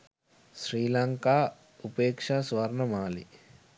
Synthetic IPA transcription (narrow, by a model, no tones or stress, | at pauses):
ʃɾiːlɐŋkaː | upeːkʂasʋɐɾɳɐmaːlḭ